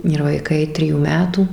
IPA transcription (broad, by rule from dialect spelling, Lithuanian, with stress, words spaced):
ɪr ʋɐɪˈkɐɪ ˈtʲrʲɪjuː ˈmʲæːtuː